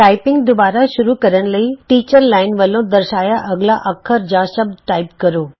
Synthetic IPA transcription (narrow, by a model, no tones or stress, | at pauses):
ʈaːɪpɪŋɡd̪ʊbaːɾaʃʊɾukɐɾəñ̆lɐiʈiːt͡ɕəɾlaːɪnʋəlõd̪ɐɾʃaːjaʔɐɡlaʔɐkʰːəɾd͡ʑaːʃəb̚d̪ʈaːɪpkɐɾoː